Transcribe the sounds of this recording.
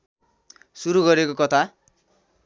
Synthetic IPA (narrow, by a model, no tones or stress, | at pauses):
suɾuɡʌɾekokʌt̪ʰa